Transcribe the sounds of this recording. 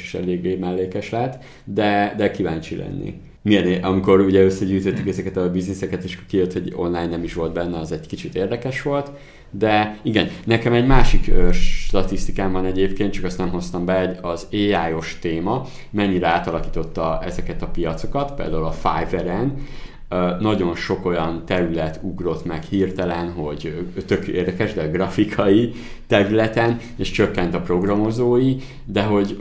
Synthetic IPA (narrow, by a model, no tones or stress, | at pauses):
e̥ʃɛ̰leːɡːeːmɛlːeːkɛʃlɛt̪ː | d̪ɛd̪ɛkivaːnt͡ʃilɛ̰nːḭ | miɛneʔɒmiko̞ɾuɟɛøsːɛɟyːt̪øt̪ːykɛzɛkɛt̪ɒbiznisɛkɛt̪eʃkijøt̪ho̞ɟo̞̰nlaːjnːɛmiʃʋo̞lt̪bɛnːɛɒzɛɟkit͡ʃit̪eːrd̪ɛkɛʃʋo̞lt̪ | d̪ɛiɡɛnnɛkɛmɛɟmaːʃikøʃt̪ɒt̪ist̪ikaːmbɒnɛɟeːpkeːn̚t͡ʃɒkɒst̪nɛmɦo̞st̪ɒmbɛoɟɒzeːaːjo̞ʃt̪eːmɒ | mɛɲːiɾɛaːt̪ɒlɒkiːt̪o̞t̪ːɒɛzɛkɛt̪ɒpijɒt̪so̞̥kɒt̪pḛːld̪aːulɒfa̰ːjvɛɾɛn | nɒɟo̞nʃo̞ko̞jɒnt̪ɛɾylɛt̪uɡro̞t̪mɛkhiːrt̪ɛlɛnɦo̞ɟt̪økjo̰ʔeːrd̪ɛkɛʒd̪ɛɡrɒfikʰɒji | t̪ɛɾylɛt̪ɛn | eːʃt͡ʃøkːɛn̪t̪ɒpro̞ɡrɒmo̞zoːji | d̪ɛɦo̞ɟ